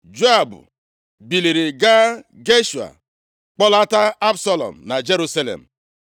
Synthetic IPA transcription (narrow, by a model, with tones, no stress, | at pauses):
d͡ʒe˦a˨bʊ̰˨ | bi˨li˨ɾi˨ɡa˦ɡe˦ʃu˨a̰˨ | k͡pɔ˦la˦ta˦a˦bsɔ˦lɔ̰˨m̩˨na˨d͡ʒe˦ɾu˦sa˦lḛ˨m̩˨